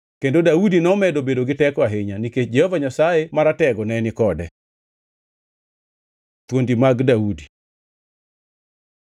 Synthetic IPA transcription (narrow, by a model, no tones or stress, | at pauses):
kendodaudinɔmɛdobedoɡɪtɛkwaɦɪɲaniket͡ʃd͡ʒɛhovaɲasajemaɾatɛɡɔnɛnɪkɔdɛ | t̪wondimaɡdaudi